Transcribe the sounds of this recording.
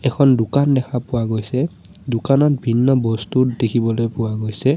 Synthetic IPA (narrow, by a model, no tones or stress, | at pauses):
ɛkʰɔndʊkandɛkʰapʊwaɡojsɛ | dʊkanɔt̚bʱinːɔbɔstutdekʰibɔlojpʊwaɡojsɛ